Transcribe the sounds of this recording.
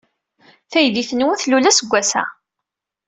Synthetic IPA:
θæjðiθənwəθlulæsəɡʷːæsæ̰

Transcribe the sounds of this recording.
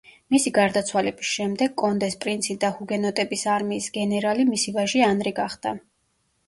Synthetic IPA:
misiɡaɾd̪at̪sʰwalɛbisʃɛmd̪ɛɡkʼɔnd̪ɛspʼɾint̪sʰid̪ahuɡɛnɔt̪ʼɛbisaɾmiːsɡɛnɛɾalimisivaʒianɾiɡaχd̪̥a

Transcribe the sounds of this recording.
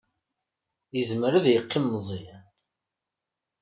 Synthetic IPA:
jəzməɾəðjəqːimːzˤi

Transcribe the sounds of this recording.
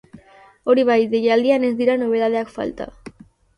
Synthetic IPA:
oɾiβajðejald̪ianezðiɾanoβeðaðeakfa̰lt̪a̰

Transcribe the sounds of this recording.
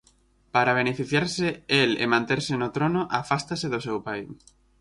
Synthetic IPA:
paɾaβ̞enefiθjaɾsɪelḛmãnt̪eɾsɪnʊt̪ɾonʊʔafast̪asɪðʊsewpaj

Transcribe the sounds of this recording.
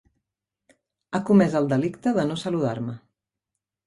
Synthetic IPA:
akumɛzəlˠd̪əlikt̪əðənosəluða̰ɾmə

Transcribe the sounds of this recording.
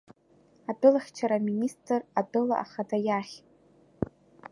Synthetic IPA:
abɨlχʲt͡ʃʰaɾaministʰʼradɨla̰ʔa̰χadajaχʲʼ

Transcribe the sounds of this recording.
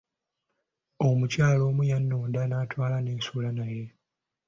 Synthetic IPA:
o̞mucaːlo̞ːmujanːoːndanaːtwaːlaneːsulanaje̞

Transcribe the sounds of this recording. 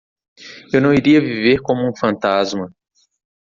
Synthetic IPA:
ewnɐ̃w̃iɾiɐviveɾkõmʊũfɐ̃nt̪azmɐ

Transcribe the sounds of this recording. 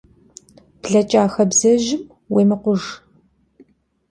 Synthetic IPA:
b̥ɮɐt͡ʃʼaːxɐbzɐʒɪm | weːmɨqʷʊʒ

